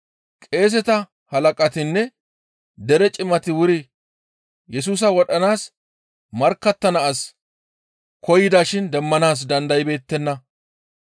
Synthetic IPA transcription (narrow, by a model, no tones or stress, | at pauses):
kʼe̞ːs̬ɛt̪ɐ | hɐlɐkʼɐt̪ɪnːɛ | d̪ɛɾɛt͡ʃʼɪmɐt̪ɪwʊɾɪ | jɛs̬uːs̬ɐwɔɗɐnaːs | mɐɾkːɐt̪ːɐnɐʔːs | kɔjɪd̪aːʃɪnd̪ɛmːɐnaːs̬d̪ɐnd̪ɐjɪbe̞ːt̪ːɛnːɐ